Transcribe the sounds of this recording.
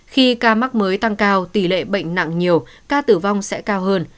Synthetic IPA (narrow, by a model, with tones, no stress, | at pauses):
xi˧kaː˧ma˦˥k̚məː˨˦jt̪a˧ŋkaː˧wt̪i˧˩lḛ˧˨ɓə̰˧˨jŋ̟na̰˧˨ŋɲi˨˩əwkaː˧t̪ɨ˧˩va˧wŋ͡msɛ̰˧˥kaː˧wɦəː˧n